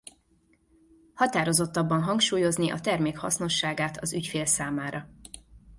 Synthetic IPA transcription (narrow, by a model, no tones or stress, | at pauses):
hɒt̪aːɾo̞zo̞t̪ːɒbːɒnɦɒŋkʃuːjo̞zniʔɒ̰t̪ɛrmeːkhɒ̰sno̞ʃːaːɡaːt̪ʰɒzycfeːlsaːmaːɾɒ